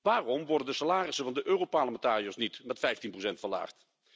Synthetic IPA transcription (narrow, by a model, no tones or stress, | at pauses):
ʋaːrɔmʋɔɹdəndəsalaːrɪsəvɑndəʔøːrowpɑɹləmɛntaːrijosnitmɛtfɛjftinprowsɛntfəla̰ːχt